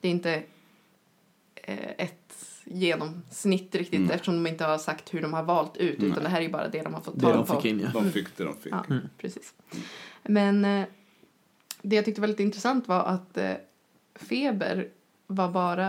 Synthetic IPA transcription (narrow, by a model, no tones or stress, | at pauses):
d̪̥ɛɪnt̪ə | ɛt̪jeːnɔmsnɪt̪ːɾɪkt̪ɪt̪ɛft̪əʂɔmd̪ɔmɪnt̪əhaʂakt̪hɵɖɔmhaɾvɑːlt̪ʉ̟ːt̪ʉ̟ːt̪and̪ɛɦæːɾæjɵbɑ̰ːɾʔa̰d̪ɛd̪ɔmhaɾfɔt̪ʰːɛɔpfɪkːɪnj̰d̪fɪkd̪ɛd̪ɔ̰mfɪ̰ɑ̰ːpʰɾɛsiːs | mɛn | d̪ɛjat̪ʏkt̪əvɛlɪt̪ɪnt̪ɾɛsant̪vaɾʔa̰t̪ | feːbə̰ɾ | vaɾbɑːɾa